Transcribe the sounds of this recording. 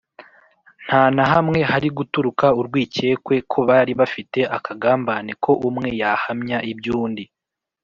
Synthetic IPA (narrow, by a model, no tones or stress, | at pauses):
n̥haːnaɦamŋe̞haɾiɡutuɾukauɾɡwiːce̞ːkwe̞kʰo̞βaɾiβafite̞ʔakʰaɡaːmbaːne̞kʰo̞ʔumŋe̞jahamɲaʔibjuːndi